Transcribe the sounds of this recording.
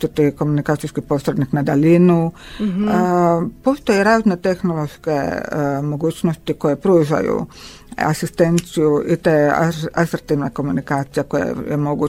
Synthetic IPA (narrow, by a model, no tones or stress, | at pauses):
ut̪iko̞munikaːt̪ijskipo̞sɾed̪niknad̪alinu | po̞st̪o̞jeɾaːznet̪e̞xnolˠoʃke̞̰mo̞ɡuːt͡ɕnost̪iko̞jepɾuːʒa̰jṵ | a̰sist̪e̞nt̪sijuʔit̪ḛːasɾt̪iːʋnako̞munikaːt̪sijeko̞jḛjemo̞ɡu